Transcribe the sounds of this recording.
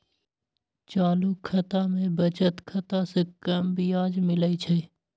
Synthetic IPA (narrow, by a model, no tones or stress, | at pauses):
t͡ʃaːlukʰːət̪amẽbət͡ʃət̪kʰət̪asekəmbʱiaːd͡ʒmɪləit͡ʃʰɛ